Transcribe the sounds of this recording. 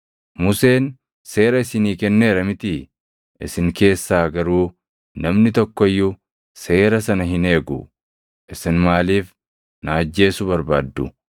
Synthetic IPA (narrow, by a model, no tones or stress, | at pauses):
mʊse̞ːn | se̞ːɾɐɪsɪniːkɛnːe̞ːɾɐmɪt̪ɪ | ʔɪsɪŋke̞ːsːaːɡɐɾuː | nɐmnɪt̪ɔkːɔɪjːʊ | se̞ːɾɐsɐnɐɦɪne̞ːɡʊ̰ | ʔɪsɪnmaːliːf | naːd͡ʒːe̞ːsʊbɐɾbaːd̪ːʊ̰